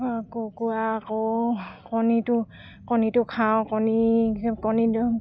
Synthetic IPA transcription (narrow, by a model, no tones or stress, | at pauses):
kokuakɔkɔnitʊ | kɔnitʊkʰawkɔnikɔni